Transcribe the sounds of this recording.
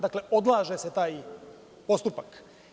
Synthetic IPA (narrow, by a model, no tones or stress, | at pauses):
d̪akle̞ʔo̞d̪lˠaːʒeset̪aːj | po̞st̪upak